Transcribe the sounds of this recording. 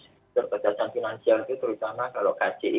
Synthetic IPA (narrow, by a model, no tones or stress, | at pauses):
t̪ərkəd̥at͡ʃanfinansialit̪ut̪əɾut̪amakalokḁt͡ʃiʔ